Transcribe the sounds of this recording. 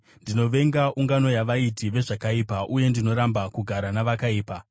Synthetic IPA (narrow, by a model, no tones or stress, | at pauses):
ndino̞ʋe̞ŋɡaʔuŋɡano̞jaʋaitiʋe̞ʐakaipaʔuje̞ndino̞ɾambakuɡʱaɾanaʋakaiːpa